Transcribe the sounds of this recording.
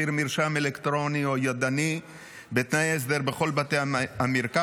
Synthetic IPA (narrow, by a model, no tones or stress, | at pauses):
iɾmiɾʃamelekt̪ɾo̞niojad̪ani | bet̪najes̬d̪eʁbeχo̞lbat̪ejamiɾka